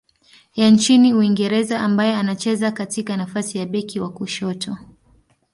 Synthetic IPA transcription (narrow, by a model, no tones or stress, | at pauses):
jant͡ʃiniuiŋɡɛɾɛzaʔambajɛanat͡ʃɛzakatikanafasijaɓɛkiwakuʃɔtʰɔ